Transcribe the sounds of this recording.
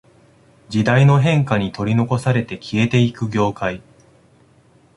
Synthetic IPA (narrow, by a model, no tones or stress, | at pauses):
d͡ʑid̪aino̞ɦẽ̞ŋkaɲ̟it̪o̞ɾʲino̞ko̞saɾe̞t̪e̞kʲʰie̞t̪e̞ikɯ̟ɡʲo̞ːkai